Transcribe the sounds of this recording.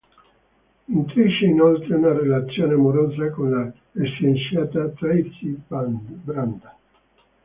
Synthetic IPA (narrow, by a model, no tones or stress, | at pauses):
int̪ɾiʃːeinolt̪ɾeunarelat̪sːjoːneamoɾoːzakonla | esensjaːt̪at̪ɾait̪si | bɾand̪a